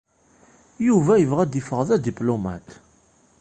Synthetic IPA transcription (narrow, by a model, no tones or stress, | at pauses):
juvæjəvʁæd̪ifəʁðæd̪iplomæ̰t̪